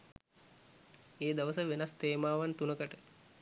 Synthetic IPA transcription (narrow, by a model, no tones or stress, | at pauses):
eːd̪əʋəsəʋenast̪eːmaːʋant̪unəkəʈə